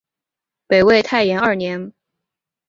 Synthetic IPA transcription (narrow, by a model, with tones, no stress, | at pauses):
pe˨˩ɪwe˥˧ɪt̪ʰa˥˩ɪjɛ˧˥nɐ˥˩njɛ˧˥n